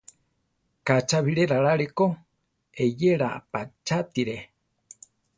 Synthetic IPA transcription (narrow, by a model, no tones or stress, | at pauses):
kat͡ʃaβiɾeɾaɾaɾeko | ejeɾapat͡ʃat̪iɾe